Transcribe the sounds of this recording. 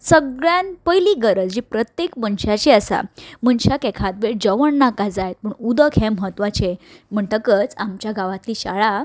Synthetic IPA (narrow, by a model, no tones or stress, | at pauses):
səɡɭjanpəjliɡəɾəd͡zd͡ʑipɾət̪jekmənɕat͡ɕiəsa̰mənɕakɛkʰat̪̚bed͡zəʋəɳnakad͡zajt̪̚pəɳud̪əkʰɦɛ̃məɦət̪ʋat͡ɕem̤əɳʈ̪əkət͡samt͡ɕjaɡaʋat̪liɕa̰ɭa